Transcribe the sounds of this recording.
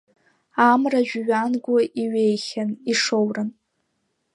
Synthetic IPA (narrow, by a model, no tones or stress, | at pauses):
amraʒᶣɥanɡʷʊʔiɥejχʲaniʂowrɨn